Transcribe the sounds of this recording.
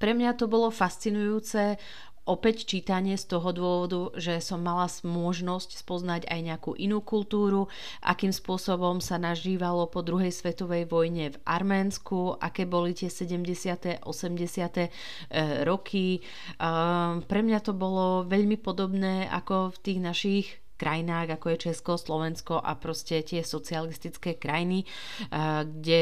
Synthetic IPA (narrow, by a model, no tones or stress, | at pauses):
pɾɛmɲat̪ɔbɔlɔfast͡sinujuːt͡sɛ | ʔɔpɛct͡ʃiːt̪aɲɪɛst̪ɔɦɔd̪ʊɔʋɔd̪uʒɛsɔmːalasmʊɔʒnɔscspɔznaɟa̰jɲɛakṵːʔinuːkult̪uːɾu | ʔa̰kiːmspʊɔsɔbɔmsanaʒiːʋalɔpɔd̪ɾuɦɛjsʋɛt̪ɔʋɛjʋɔjɲɛvʔaɾmɛːnskuʔa̰kɛːbɔlit̪ɪɛsɛɟɛmɟɛsɪat̪ɛʔɔsɛmɟɛsɪat̪ɛ | ɾɔkʰi | pɾɛmɲat̪ɔbɔlɔʋɛʎmipɔd̪ɔbnɛːa̰kɔft̪iːɣnaʃix | kɾʔajinaːɣakɔjɛt͡ʃɛskɔslɔʋɛnskɔʔa̰pɾɔscɛt̪ɪɛsɔt͡sialist̪it͡skɛːkɾajni | ɡɟɛ